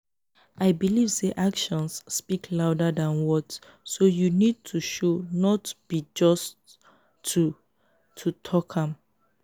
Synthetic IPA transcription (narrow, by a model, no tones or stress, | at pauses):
aɪbilivseʔakʃɔ̃nsːpikʰlaʊdadãnwɔt | sojunid̚tʰuʃonɔtb̥id͡ʒɔstʰː | u | tʰutʰɔkʰãm